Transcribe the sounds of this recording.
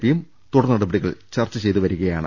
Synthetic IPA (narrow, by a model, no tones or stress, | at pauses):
ʋijum | t̪uɽɐnːɐɽubɐɽiɣɐɭt͡ɕɐrt͡ɕːɨt͡ɕe̞jt̪uʋɐɾuɣɐjaːɳɨ̰